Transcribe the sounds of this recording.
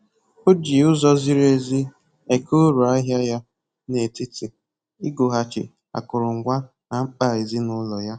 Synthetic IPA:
o˦d͡ʒi˨ʊ˦zɔ˦zi˦ɾe˦zi˦ | e˨ko˦ɾu˨a˦ɦja˦ja˦ | ne˨ti˦te˨ | i˦ɡo˨ɦa˨t͡ʃɪ̰˨ | a̰˨kʊ˨ɾʊ˨ŋ̩˨ɡʷa˦ | a˨ŋ͡m̩˦k͡pa˦˨e˨zi˦nʊ˦lɔ˨ja˦

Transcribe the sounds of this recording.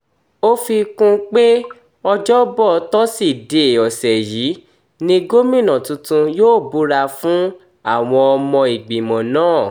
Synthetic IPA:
o˦fi˧kũ˦k͡pe˦ | ɔ˧d͡ʒɔ˦bɔ˦˨˦tɔ˦si˦˨de˨ɔ˨sɛ˨ji˨˦ | nĩ˧ɡo˦mĩ˦˨nã˨tũ˧tũ˧joː˦˨bu˨˦ɾa˧fũ˦ | a˦˨w̃ɔ̃˧ɔ˧mɔ̃˧i˨ɡ͡bi˨mɔ̃˨nãː˦˨

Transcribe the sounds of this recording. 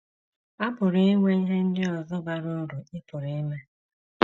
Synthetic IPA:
a˦bʊ˨ɾi˦i˦ŋʷe˦i˦ɦe˦n̩˦dɪ˦ɔ˨zʊ˦ba˨ɾo˦ɾu˨ɪ˦pʊ˨ɾi˨˦i˦me˦

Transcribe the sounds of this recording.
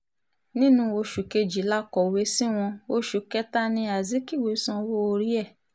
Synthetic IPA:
nĩ˦nũ˧˦o˧ʃu˨ke˧d͡ʒi˨˦la˦kɔ˨we˨˧˦si˦w̃ɔ̃˧o˧ʃu˨˦kɛ˦ta˦nĩ˧a˨zi˨˦ki˦˨we˨˦sã˧wo˦o˧ɾi˦ɛ˦˨

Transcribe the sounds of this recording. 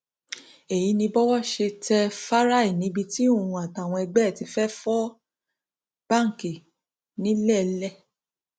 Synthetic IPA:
e˨ji˨˧˦nĩ˧bɔ˦wɔ˦ʃe˧tɛ˧fa˦ɾa˦˨i˦˨nĩ˨˦bi˧ti˦o˦˨ũ˧˦a˨ta˨w̃ɔ̃˧ɛ˧ɡ͡bɛ˦˨ti˧fɛ˦fɔ˦ | b̥a˦˨ŋ̩˨ki˨ | nĩ˨˦lɛ˦˨lɛ˦˨

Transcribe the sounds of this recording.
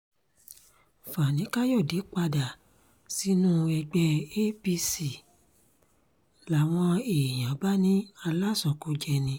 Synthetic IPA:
fa˨nĩ˨˦ka˦jo˦˨de˨˦k͡pa˧da˨ | si˨˦nũ˦ɛ˧ɡ͡bɛ˧e˦bi˦si˨ | la˨w̃ɔ̃˧e˨j̃ã˨˦ba˦nĩ˦a˧la˦sɔ̃˨ko˧˦d͡ʒɛ˧nĩ˧˦

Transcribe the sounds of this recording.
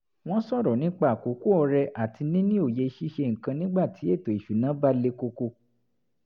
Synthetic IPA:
w̃ɔ̃˦sɔ˦˨ɾɔ˨nĩ˨˦k͡pa˦˨ko˨˦ko˦ɔ˧ɾɛ˧ʔa˦˨ti˧nĩ˦nĩ˦o˦˨je˧˦ʃi˦ʃe˧ŋ̩˨kã˧nĩ˦ɡ͡ba˦˨tʰi˨˦e˦˨to˨i˨ʃu˨nã˨˦ba˦le˧ko˧ko˧

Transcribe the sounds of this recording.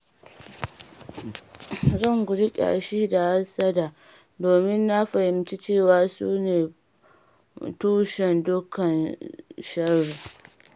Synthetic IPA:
zɐ˦˨ŋɡʷʊ˨ɽɪ˦kʲʼa̰˨a˨ʃiː˦da˨ha˦sɐ˦daː˨ | doː˨mɪ˦nːa˦ɸɐ˨hɪ˨mt͡ʃi˦t͡ʃeː˦˨waː˨sṵː˦neː˨ | tuː˦ʃɛ˨ndʊ˦kʰːɐ˨nʃɐ˦rːi˨

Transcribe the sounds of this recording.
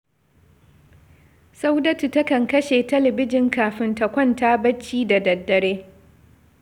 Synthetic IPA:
sa˦wdɐ˦tu˨tɐ˦kɐ˨ŋkɐ˦ʃeː˨tɐ˦lɐ˨bɪ˦d͡ʒɪ˦ŋkaː˨ɸɪ˦ntɐ˨kʷɔ˦ntaː˦bɐ˦t͡ʃːiː˦da˨dɐ˨dːɐ˨ɽeː˦

